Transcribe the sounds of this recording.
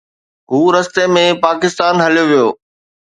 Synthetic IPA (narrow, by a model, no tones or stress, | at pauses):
ɦuːɾɐst̪emẽpaːkɪst̪aːnɦɐljoʋijoː